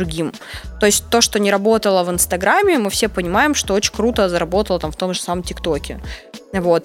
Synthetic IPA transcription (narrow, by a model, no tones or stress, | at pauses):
d̪ɾʊɡʲim | t̪o̞ɪsʲt̚ʲt̪o̞ʂt̪o̞nʲɪɾɐbo̞t̪əlˠəvɨnst̪ɐɡɾamʲːɪmɨfsʲepənʲɪmajɪmʂt̪o̞ot͡ɕɪ̥nʲkɾut̪əzəɾɐbo̞t̪əlˠət̪amft̪o̞mʐɨ̥saməmtʲɪkt̪o̞kʲɪ̰vo̞t̪